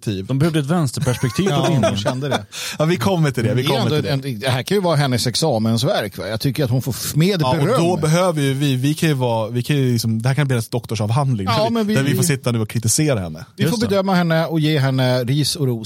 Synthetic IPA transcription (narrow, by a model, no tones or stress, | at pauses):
t̪ʰiːvd̪ɔmbɛhœvd̪əɛt̪vɛnst̪əɾpʰæʂpɛk̚t̪ʰiːɕɛnd̪əd̪ɛɑvɪkʰɔmːət̪ʰɪld̪ɛvɪkːɔɛnːd̪oɪɛnd̪ɛɦæːɾkʰanjəvɑːɾaɦɛnːəsɛksɑːmənsvæɾkvɑ̰jɑːt̪ʰʏkːəɾat̪hʊnfoːmeːd̪ɔɾd̪ɔbɛɦøːvəɾjɵvɪvɪkʰanjɵvɑːvɪkʰanjɵlɪksɔmd̪ɛhæɾkanb̪liːɛsd̪ɔkt̪ɔʂɑːvɦand̪lɪŋɑmɛnvɪdæɾvɪfosɪt̪ʰːanʉ̟ːɔkʰɾɪt̪ɪseːɾahɛ̰nːəvɪfoːbɛd̪œmːaɦɛnːəɔjeːɦɛnːəɾiːsɔɾuː